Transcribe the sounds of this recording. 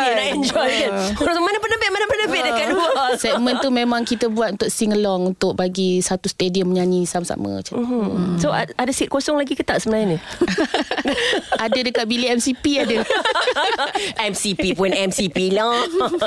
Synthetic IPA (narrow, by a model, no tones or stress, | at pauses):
anajɛnd͡ʒɔjmə̃osmanãmpənəbɛʔmanãpənəbɛdəkaduasɛk̚mə̃nt̪umemãŋkit̪əbuat̪unt̪ʊk̚siŋəlɔŋunt̪ʊk̚baɡisat̪ust̪ediəmːəɲaɲisamasa̰mə̰t͡ʃasoaadasit̪̚kosɔŋlaɡikət̪aʔsəmənajni | adədəkat̪̚biliɛmsipiadə | ɛmsipipɔnɛmsipila